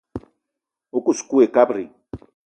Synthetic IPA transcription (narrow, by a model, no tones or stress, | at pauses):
ukuskuekapɾi